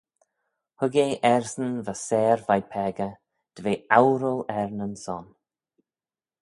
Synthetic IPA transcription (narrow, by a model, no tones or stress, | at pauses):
hʊɡeːʔɛɹsənvəsɛːɹvajpʰɛːɡə | d̪̥əveːawɾəlɛɹnənsɔn